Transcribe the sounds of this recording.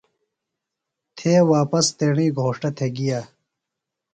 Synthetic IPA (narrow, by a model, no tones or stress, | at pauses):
t̪ʰeːwaːpɐst̪eːɳiːɡʱoːʂʈɐt̪ʰeɡijaː